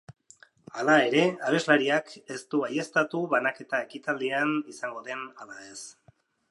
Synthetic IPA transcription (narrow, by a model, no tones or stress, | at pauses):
alae̞ɾe̞aβe̞zlaɾiake̞st̪uaje̞st̪at̪uβanake̞t̪ae̞kit̪ald̪ianisaŋɡo̞ðe̞nalae̞s